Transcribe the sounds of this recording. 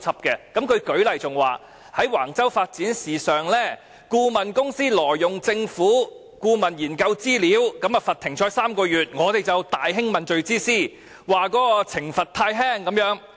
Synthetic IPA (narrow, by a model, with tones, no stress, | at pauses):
t͡sʰɐ˨p̚kɛ˧kɐ˨˥mkʰɵ˨˧ɥkɵ˨˥ɥlɐ˨˩jt͡sʊ˨ŋwa̰ː˨˩ | hɐ˨˥jwa̰ː˨˩ŋt͡sɐ˥wfaː˧t̚t͡siː˨˥nsiː˨˩sœː˨ŋlɛː˥ | kuː˧mɐ˨nkʊ˥ŋsiː˥lɔː˨˩jːʊ˨ŋt͡sɪ˧ŋfuː˨˥ | kuː˧mɐ˨njiː˨˩nkɐ˧wt͡siː˥liː˨˥wkɐ˨˥mɐ˨fɐ˨t̪ʰɪ˨˩ŋt͡ʃʰɔː˨˥jsaː˥mkɔː˧jyː˨t̚ŋɔː˨˧t̪e˨jt͡sɐ˨wt̪aː˨jɦɪ˥ŋmɐ˨nt͡ʃɵ˨ɥt͡siː˥siː˥ | waː˨kɔː˨˥kɔː˧t͡sʰɪ˨˩ŋfɐ˨t̚t̪ʰaː˧jɦɛː˥ŋkɐ˨˧˥mjœː˨˥ŋ